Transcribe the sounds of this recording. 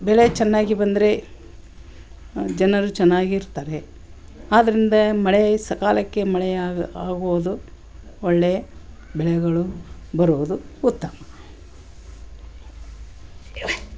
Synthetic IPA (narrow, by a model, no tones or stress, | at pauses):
bɛɭet͡ʃɛnːaːɡibɐnd̪ɐɾe̞ | d͡ʒɐnɐɾut͡ʃɛnːaːɡiːɾt̪aːɾe̞ | aːd̪ɐɾind̪ɐmɐɭesɐkaːlɐkːe̞mɐɭeaːɡuʋd̪u | oɭːeɐ | bɛɭɛɡɐɭubɐɾuʋd̪uut̪ːɐmɐ